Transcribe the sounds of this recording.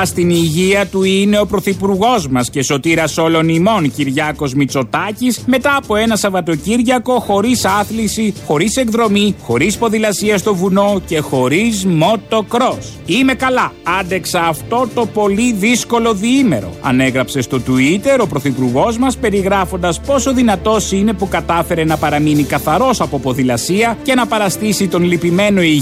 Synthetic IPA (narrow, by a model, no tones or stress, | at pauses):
st̪iniʝiɐt̪uine̞o̞pɾo̞θipuɾɣo̞zmɐsce̞so̞t̪iɾɐso̞lo̞nimo̞nciɾʝɐko̞zmit͡so̞t̪ɐcisme̞t̪ɐːpo̞e̞nɐsɐvɐt̪o̞ciɾʝɐko̞xo̞ɾisɐθlisixo̞ɾise̞ɡðɾo̞mixo̞ɾispo̞ðilɐsiɐst̪o̞vuno̞ce̞xo̞ɾizmo̞t̪o̞kɾo̞s | ime̞kɐlɐɐnd̪e̞ksɐːft̪o̞t̪o̞po̞liðisko̞lo̞ðiime̞̰ɾo̞̰ɐ̰ne̞ɣɾɐpse̞st̪o̞t̪uit̪e̞ɾo̞pɾo̞θipuɾɣo̞zmɐspe̞ɾiɣɾɐfo̞nd̪ɐspo̞so̞ðinɐt̪o̞sine̞pukɐt̪ɐfe̞ɾe̞nɐpɐɾɐminikɐθɐɾo̞sɐpo̞po̞ðilɐsiɐce̞nɐpɐɾɐst̪isit̪o̞nlipime̞no̞i